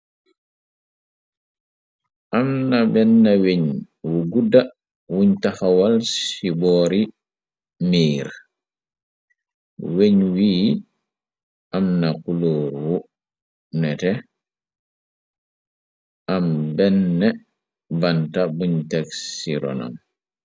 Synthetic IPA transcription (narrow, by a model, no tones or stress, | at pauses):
ʔamnabɛnːaweɲ | wuɡuda | wuɲtaxawalsibɔːɾi | miːɾ | weɲwiː | ʔamnakuloːɾwu | nɛtɛ | ʔambɛnːɛ | bantabuɲtakssiɾɔ̰na̰m